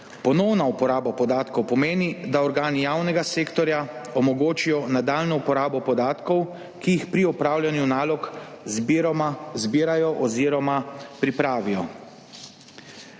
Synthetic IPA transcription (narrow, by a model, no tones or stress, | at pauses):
pɔnɔwnaupɔɾaːbapɔd̪aːt̪kɔwpɔmeːnid̪aɔɾɡaːnijaːwnɛɡaseːkt̪ɔɾjaɔmɔɡoːt͡ʃijɔnad̪aːlnɔupɔɾaːbɔpɔd̪aːt̪kɔw | kijixpɾiɔpɾaːwlʲjanjunaːlɔk | zbiːɾajɔʔɔziːɾɔmapɾipɾaːʋijɔ